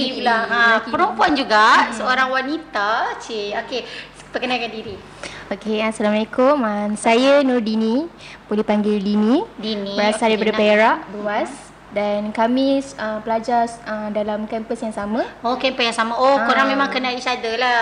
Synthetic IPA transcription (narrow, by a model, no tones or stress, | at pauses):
ilaapəɾɔmpuand͡ʒuɡasəoɾaŋwanit̪at͡ʃeoke | pəkənalkandiɾi | okeasalamalekʊmənsajənɔrdini | bolipaŋɡɪldinĩdinibəɾasadaipadəpeɾaʔbəluas | dankamĩəpəlad͡ʒarədalamkɛmpəsjaŋsamə̃okɛmpəsjaŋsamaʔokoɾaŋmẽmãŋkənaiʃadəla